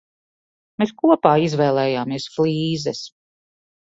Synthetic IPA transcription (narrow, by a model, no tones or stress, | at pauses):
meskuɔpaːizvɛːlˠɛːjaːmiɛsfliːzɛs